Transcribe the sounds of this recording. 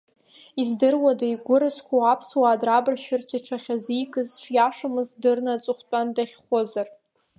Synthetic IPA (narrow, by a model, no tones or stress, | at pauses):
izdɨrwadajɡʷʊɾɨskʷʰawapʰswaːdrabɨrʃɪrtʷʰiʈ͡ʂʰaχʲazikʰʼɨzʈ͡ʂʰjaʂamɨzdɨrnat͡sʼɨχʷt͡pʷʼandaχʲχʷozar